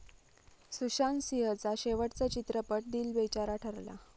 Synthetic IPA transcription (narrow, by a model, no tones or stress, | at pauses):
suɕansiɦət͡saɕeʋəʈt͡sət͡ɕit̪ɾəpəʈ̚d̪iːlbet͡ɕaɾaʈʰəɾla̰